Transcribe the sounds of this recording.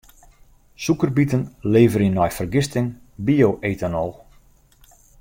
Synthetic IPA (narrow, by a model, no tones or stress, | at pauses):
sukərbitənleːvəɾinːɔjfərɡɪstɪŋ | bioʔeːtanɔlˠ